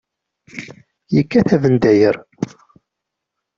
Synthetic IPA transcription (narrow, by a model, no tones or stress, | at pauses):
jəkːæθævənd̪æjəɾ